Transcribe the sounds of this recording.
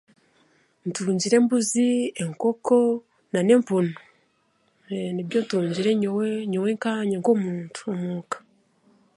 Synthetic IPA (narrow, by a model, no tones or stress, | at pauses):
ntuːɲɟiɾe̞mbuzieŋkoko | nane̞ːmpuno | nibjontuːɲɟiɾeɲowɲoweŋkaːɲeŋkomuːntu̥omuːkḁ